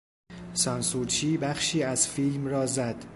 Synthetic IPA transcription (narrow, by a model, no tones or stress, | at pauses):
sɒnsuɾt͡ʃʰiːbæχʃiːæzfiːlmrɒːzæd̪̥